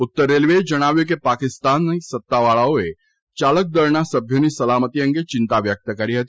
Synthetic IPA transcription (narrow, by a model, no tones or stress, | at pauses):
ʊt̪ːəɾːeːlʋed͡ʒɐɽ̃aːʋjok̬epaːkɪst̪aːnːɐ̃sɐt̪ːaʋaːɭaoe | t͡ʃaːlək̚d̪əɾɳasɐbʱjonisɐlaːmət̪ijə̃ŋɡet͡ʃɪ̃nt̪aʋjək̚t̪əkɐɾiɦɐt̪i